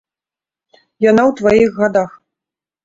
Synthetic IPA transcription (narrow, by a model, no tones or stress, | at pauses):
janawt̪vajiɣːad̪ax